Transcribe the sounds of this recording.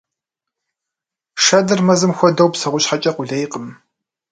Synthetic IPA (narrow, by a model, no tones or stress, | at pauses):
ʂɐdɨrmɐzɨmxʷɔdɐwpsɐʁʷʊɕħat͡ʃʼɐqʷʊɮɐjqəm